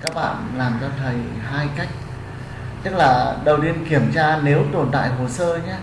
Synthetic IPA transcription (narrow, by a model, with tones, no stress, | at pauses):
kaː˦˥k̚ɓa̰ː˧˨nlaː˨˩mt͡ɕɔ˧t̪ʰə˨˩jhaː˧jka˦˥jk̟̚ | t͡ɕə˦˥laː˨˩ɗə˨˩wɗi˧ənki˧˩əmt͡ɕaː˧ne˨˦wt̪o˨˩nt̪a̰ː˧˨jɦo˨˩səː˧ɲɛ˨˦